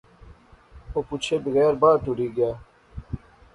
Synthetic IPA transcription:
oːput͡ʃʰebɪɣɛːɾbaːʈ̪uɽiːɡjaː

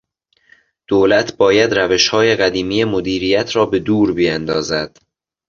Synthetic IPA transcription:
d̪̥oːlæt̪ʰbɒːjæd̪ɾæve̞ʃhɒːje̞ɣæd̪iːmiːjemod̪iːɾiːjæt̪ʰɾɒːbe̞d̪uːɾbijænd̪ɒːzæd̪̥

